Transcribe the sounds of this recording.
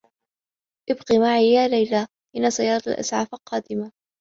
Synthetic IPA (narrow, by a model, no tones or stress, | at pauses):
ʔɪbqiːmaʕijaːlajla | ʔɪnːasˤɑjɑːɾˤɑt̪a̰lʔa̰sʕafalqɑːd̪ɪma